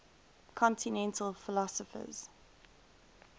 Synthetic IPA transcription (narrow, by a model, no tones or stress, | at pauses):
kʰɔ̃ntʰinɛ̃ntʰəlfɪlɔsəfə̰z̥